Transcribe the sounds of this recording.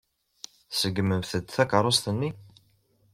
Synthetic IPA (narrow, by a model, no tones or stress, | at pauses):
səɡməmθəd̪θækəɾˤost̪ənːi